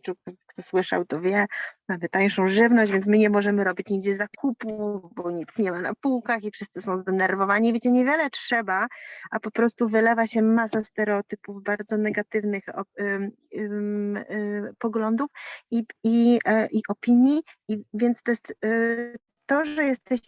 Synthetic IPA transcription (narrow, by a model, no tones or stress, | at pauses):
t͡ʂuk̚t̪ɔkt̪ɔswɘʂa̰wt̪ɔvʲjɛmamɘt̪ajʂɔ̃w̃ʐɘvnɔɕd͡ʑvʲjɛntsmɘɲɛmɔʐɛmɘɾɔbʲit͡ɕɲiɡd͡ʑɛzakʰupubɔɲit̪sɲɛmanapuwkaxifʂɘst̪sɘsɔ̃w̃zd̪ɛnɛɾvɔvaɲivʲjet͡ɕɛɲɛvʲjɛlɛtʂɛbaʔapɔpɾɔst̪uvɘlɛvaɕɛmasast̪ɛɾɛɔt̪ɘpuvbaɾd̪zɔnɛɡat̪ɘvnɘxɔ | pɔɡlɔnd̪ufiiʔiʔɔpʲiɲjiivʲjɛnt̪st̪ɔjɛst̪ | t̪ːɔʐɛjɛst̪ɛɕ